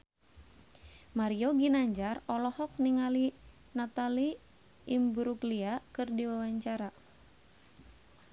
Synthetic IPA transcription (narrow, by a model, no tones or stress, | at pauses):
maɾioɡinaɲd͡ʒarɔlɔhɔk̚niŋali | nat̪ali | imbuɾuɡliakɨrdiwawaɲt͡ʃaɾa